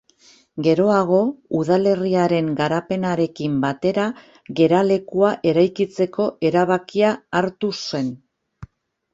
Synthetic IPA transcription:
ɡe̞ɾo̞aɣ̞o̞uðale̞riaɾe̞ŋɡaɾape̞naɾe̞kimbat̪e̞ɾa | ɣe̞ɾale̞kuaʔe̞ɾajkit͡se̞ko̞ʔe̞ɾaβ̞akiaːɾt̪use̞n

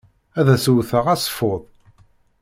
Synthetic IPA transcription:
æðæsuwθəʁæsˤfoðˤ

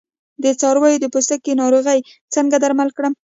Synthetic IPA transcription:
d̪ət͡sɑɾwɑjod̪əpost̪akenɑɾoɣəj | t͡səŋɡad̪aɾmalkɽəm

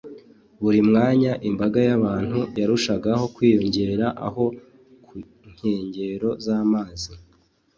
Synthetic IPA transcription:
βuɾimŋaːɲaʔimbaɡajaβaːn̥hujaɾuʃaɡaho̞kwiːjo̞ɲɟe̞ɾɾaʔa̰ɦo̞ | ku | ɲ̥heːɲɟe̞ɾo̞zaːmaːzi

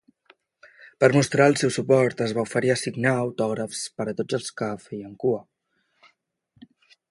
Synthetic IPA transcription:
pəɾmust̪ɾaəlˠsɛwsupɔɾt̪əzβaufəɾiəsiɡnaəwt̪ɔɣ̞ɾəfspəɾət̪od͡zəlˠskəfɛjəŋkuə

